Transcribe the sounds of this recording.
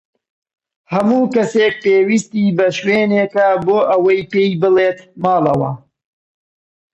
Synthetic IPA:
hɐmuːkɐseːk̚peːwist̪iːbɐʃweːneːkɐboːʔɐwɐjpeːjbɨleːt̪mɑːlɐwɐ̰

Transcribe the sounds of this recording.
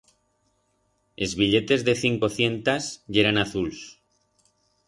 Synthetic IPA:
e̞zβiʎe̞t̪e̞zðe̞θiŋko̞θje̞nt̪azʝe̞ɾanaθuls

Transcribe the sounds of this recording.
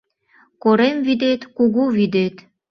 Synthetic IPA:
koɾemvid̪et̪kuɣuβid̪et̪

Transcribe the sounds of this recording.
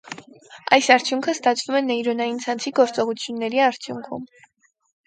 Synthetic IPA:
ɑjsɑɾt͡sʰjuŋkʰəst̪ɑt͡sʰvumɛnɛjɾɔnɑjint͡sʰɑnt͡sʰiɡɔɾt͡sɔʁut͡sʰjunːɛɾiɑɾt͡sʰjuŋkʰṵm

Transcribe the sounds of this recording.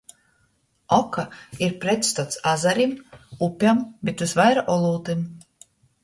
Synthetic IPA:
ɔkaiɾpɾɛt̪st̪at̪sazaɾimupʲambet̪vuzvajɾaʔɔlˠuːt̪im

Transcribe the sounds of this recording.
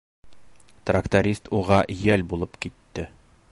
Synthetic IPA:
t̪rakt̪oɾʲist̪uʁɑʔjælbulˠɤpkit̪ːɘ

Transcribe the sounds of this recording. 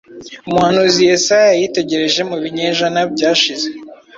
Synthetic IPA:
umuhanuzijesajajite̞ɟe̞ɾe̞ʒe̞muβiɲeːʒanabɟaːʃize

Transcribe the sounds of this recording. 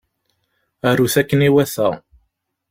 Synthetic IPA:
æɾuθækːəniwæθæ

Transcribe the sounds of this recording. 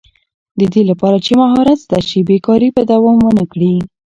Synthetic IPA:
d̪əd̪elapɑɾat͡ʃemaɦɑɾat̪sd̪aʃibekɑɾipəd̪awɑmwənəkɽi

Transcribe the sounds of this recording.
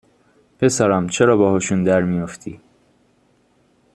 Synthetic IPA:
pe̞sæɾæmt͡ʃʰeɾɒːbɒːhɒʃund̪æɾmijoft̪ʰiː

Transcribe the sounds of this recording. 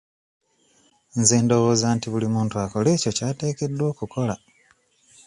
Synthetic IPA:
nzeːndo̞βo̞ːzaːntiβulimuːntuako̞le̞ːco̞caːte̞ːke̞dːwo̞ːkuko̞la

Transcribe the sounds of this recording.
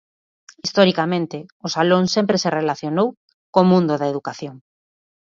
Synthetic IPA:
ist̪oɾikamẽnt̪ɪʊsaloŋsempɾeserelaθjonow | komũnd̪ʊðaeðukaθjoŋ

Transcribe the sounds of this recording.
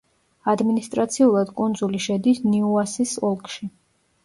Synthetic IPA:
ad̪minist̪ʼɾat̪sʰiulˠad̪kʼund̪zuliʃɛd̪isniuasisɔlˠkʼʃi

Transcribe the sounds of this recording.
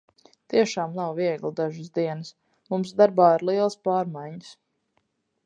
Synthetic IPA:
t̪iɛʃaːmnawviɛɡlˠd̪aʒəsd̪iɛnəs | mumsd̪aɾbaːiɾlˠiɛlˠspaːɾmajɲəs

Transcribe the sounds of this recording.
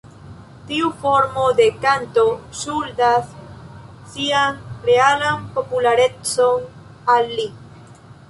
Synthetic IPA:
t̪iufoɾmod̪ekant̪oʃuɾd̪asː | iaŋrealampopulaɾet͡soŋ | alːi

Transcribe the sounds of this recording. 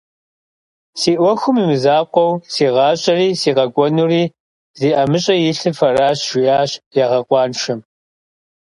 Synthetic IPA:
siːʔʷɔxʷʊmimɨzaːqʷɔwsiːʁɑːɕʼɐriːsiːqɐɡʷʼɔnuːriː | ziːʔɐmɨɕʼɐjɪɬɨfɐraːɕʒ̥ʷɪjaːɕjaːʁɐqʷɑːnʃɐm

